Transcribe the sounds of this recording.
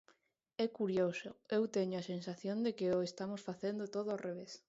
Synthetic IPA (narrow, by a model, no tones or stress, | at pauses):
ɛkuɾjosʊewt̪eɲʊasensaθjõnd̪ekɪoest̪amosfaθend̪ʊt̪oðoareβ̞es